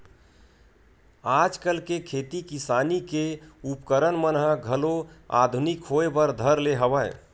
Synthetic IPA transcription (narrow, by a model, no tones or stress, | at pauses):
ad͡ʒkəlkekʰet̪ikisaːnikeupkəɾənmənɦəɡʱəloa̰d̪ʱunikɦoebəɾd̪ʱəɾleɦəʋəj